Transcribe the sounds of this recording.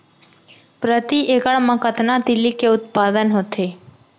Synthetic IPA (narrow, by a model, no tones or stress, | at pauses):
pɾət̪iʔekəɭmãkət̪nãt̪ilikeʊt̪̚pad̪ənɦot̪ʰe